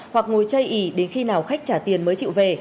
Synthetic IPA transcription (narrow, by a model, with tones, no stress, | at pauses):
hwa˨˩k̚ŋo˨˩jt͡ɕə˧jʔi˧˩ɗe˨˦nxi˧naː˨˩wxa˦˥jk̚t͡ɕaː˧˩t̪i˨˩ənməː˨˦jt͡ɕḭ˧˨ve˨˩